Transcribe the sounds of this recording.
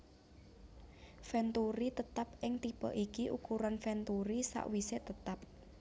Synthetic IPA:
fɛnt̪uɾit̪ət̪ap̚ʔɪŋt̪ibɔ̰ʔikiʔukuɾanfɛnt̪uɾisa̰ʔwiset̪ət̪ap̚

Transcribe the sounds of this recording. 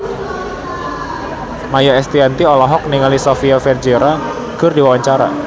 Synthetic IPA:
majaɛst̪iant̪iɔlaɦɔk̚niŋalisofiafɛrd͡ʒeɾa | kərdiwawaɲt͡ʃaɾa̰

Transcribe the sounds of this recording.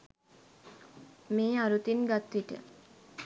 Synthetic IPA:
meːaɾut̪inɡat̪ʋiʈə̰

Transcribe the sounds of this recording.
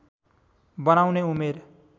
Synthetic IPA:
bʌnawneumeɾ

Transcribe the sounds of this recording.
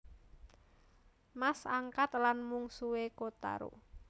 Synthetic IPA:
masaŋkat̪̚lanmuŋsuwekot̪a̰ɾo̰

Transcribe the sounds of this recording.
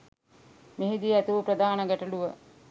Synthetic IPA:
meɦid̪iæt̪uʋəpɾəd̪aːnəɡəʈəluʋə

